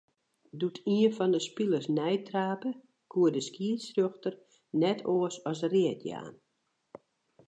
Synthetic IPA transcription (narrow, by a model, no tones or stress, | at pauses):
dutʰiənfɔndəspilˠəsnɛjtʰraːpə | kʰuədəskiəsroxtər | nɛtʰoəsɔsrɪətʰja̰ːn